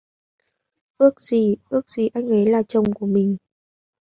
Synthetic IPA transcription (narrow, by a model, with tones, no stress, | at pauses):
ʔɨ˦˥ək̚z̥i˨˩ʔɨ˦˥ək̚z̥i˨˩ʔa˧jŋ̟ʔə˨˦jlaː˨˩t͡ɕə˨˧wŋ͡mku˧˩əmï˨˩ŋ̟